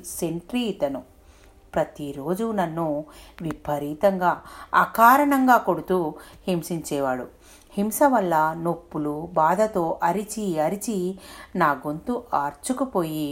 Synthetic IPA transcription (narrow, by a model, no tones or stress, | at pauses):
se̞ɳʈɾiːt̪ɐnu | pɾɐt̪iɾo̞ːd͡ʒunɐnːuʋipʰɐɾiːt̪ɐŋɡaːɐkaːɾɐɳɐŋɡaːko̞ɽut̪uːhimsiɲt͡ʃɛːʋaːɽu | himsɐʋɐlːɐno̞pːulubaːd̪ʱɐt̪o̞ːʔɐɾit͡ʃiɐɾit͡ʃinaːɡo̞nt̪uʔaːɾt͡ʃukupo̞ːji